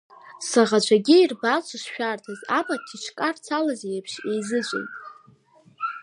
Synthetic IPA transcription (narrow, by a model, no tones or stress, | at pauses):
saʁat͡ʃʷʰaɡʲiirbat͡ʃʷʰaʂʃᶣartʰazapʼatʰit͡ʃʰkʼart͡sʰalazijepʰʃejzɨt͡ɕʷʼɪ̰ntʼ